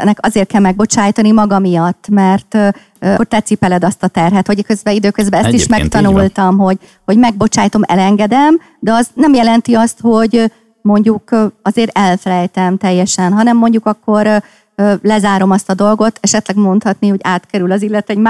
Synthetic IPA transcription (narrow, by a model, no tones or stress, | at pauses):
ɛ̰nːɛkɒzeːrt̪̚kɛlmɛɡ̚bo̞t͡ʃaːjt̪ɒnimɒɡɒmijɒt̪ːmɛrt̪ | kort̪ɛt̪sipɛlɛd̪ɒst̪ɒt̪ɛrɦɛt̪ho̞ɟɛkøzbɛid̪øːkøzbɛɛst̪iʃmɛkt̪ɒnult̪ɒmɦo̞ɟ | hoɟmɛɡ̚bo̞t͡ʃaːjt̪o̞mʔɛ̰lɛŋɡɛd̪ɛm | d̪ɛɒznɛmjɛlɛnt̪iɒst̪ho̞ɟ | mo̞ɲɟukɒzeːɾɛlfɛlɛjt̪ɛmt̪ɛjːɛʃɛnɦɒnɛmːo̞ɲɟukɒkːo̞ɾ | ølɛzaːɾo̞mɒst̪ɒd̪o̞lɡo̞t̪ʰɛʃɛt̪lɛɡmo̞nt̪hɒt̪niho̞ɟaːt̪kɛɾylɒzilːɛt̪ɛɟm